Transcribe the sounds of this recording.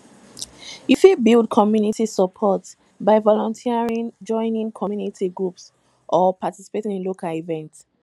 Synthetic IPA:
ifibildkʰɔmjunitisəpʰɔt | baɪvɔlɔ̃ntʰiaɹĩnd͡ʒɔ̃ɪnĩŋkʰɔmjunitʰiɡɹups | ʔɔpatisi̥petĩnĩnlokalivɛ̃nts

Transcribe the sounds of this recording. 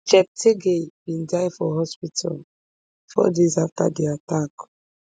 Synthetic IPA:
t͡ʃɛp̚tʰeɡebĩndajfɔɦɔspitʰal | fɔ̰dezafta̰deatak

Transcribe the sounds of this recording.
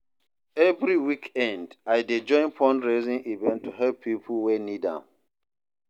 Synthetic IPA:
ɛvɹiwikɛ̃ndajded͡ʒɔ̃j̃npʰɔ̃ndɹezĩŋʔivɛ̃ntʰːuɦɛlpʰːipʰəlwɛnidã̰m

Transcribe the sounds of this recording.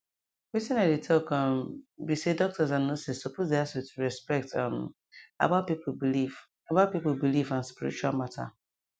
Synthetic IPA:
witĩnaɪdetʰɔkɔ̃mbisedɔk̚tʰɔzãnnosissopʰozdehasjutʰuɹɛspɛk̚tʌ̰̃m | a̰bat̚pipʰobiliv | abaʊt̚pipolbilivãnspiɾḭt͡ʃualmatʰa̰

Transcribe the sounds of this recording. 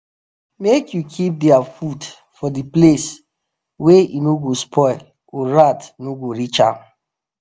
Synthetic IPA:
mekjukʰip̚dɛafud | fɔdiples | wejḭnoɡospʰɔɪl | oɹatnoɡoɹit͡ʃã̰m

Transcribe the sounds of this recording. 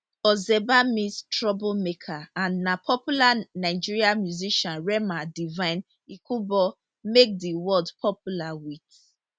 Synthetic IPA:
ɔzɛbamistɹɔbomekʰaãnːapʰɔpjulanaɪd͡ʒiɹiamjuziʃɔ̃nɹɛmadivãɪ̃n | ikʰubɔ | mek̚diwɔldpʰɔpjulawit

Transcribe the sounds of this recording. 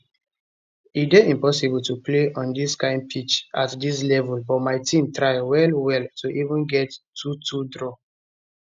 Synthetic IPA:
ideĩmpɔsibɔltupleʔɔ̃ndiskãɪ̃npʰit͡ʃatdis̬lɛvɔlbɔmaɪtʰĩmtɹaɪwɛlwɛltuʔivə̃nɡɛtːʰutʰudɹɔ

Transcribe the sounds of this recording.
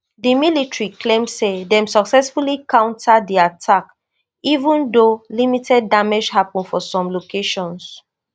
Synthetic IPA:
dimilitɹiklẽmsedɛ̃msɔksɛsfulikãʊ̃ntʰadiatʰak | ivũndolimitʰɛd̚ːamed͡ʒhapɔ̃nfɔsɔ̃mlokeʃɔ̃ns

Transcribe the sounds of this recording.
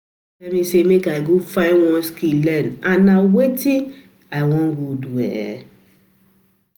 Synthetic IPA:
ɛmisemekaɪɡofãɪnwɔ̃nskilɛ̃nãnːawetĩ | aɪwɔ̃nɡodwɛ̰

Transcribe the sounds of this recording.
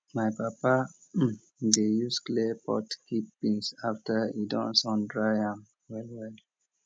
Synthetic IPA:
majpapa | dejusklepʰɔ̰tkipːĩŋsaftəidɔ̰̃nsɔ̃ndɹaɪãm | wɛlwɛl

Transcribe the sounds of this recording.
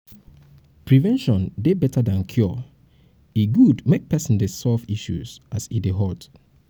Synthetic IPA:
pʰɹivɛ̃nʃɔ̃ndebɛtadãnkʰju | iɡudmek̚pɛsɔ̃ndesɔlviʃṵz̥ʔasideɦɔlt

